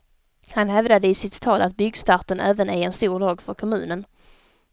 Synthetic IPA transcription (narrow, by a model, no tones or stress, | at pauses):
hanhɛvd̪ad̪əɪsɪt̪ʰːɑːlat̪̚bʏɡst̪ɑɾʈ̪ənʔɛːvənæɛnst̪uːɾɖɑːɡfœɾkʰɔmʉ̟̰ːnən